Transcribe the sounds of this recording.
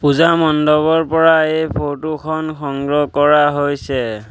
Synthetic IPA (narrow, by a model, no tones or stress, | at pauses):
puzamɔndɔβɔɹpɔɹaejpʰotukʰɔnkʰɔŋɡɹɔkɔɹaɦojsɛ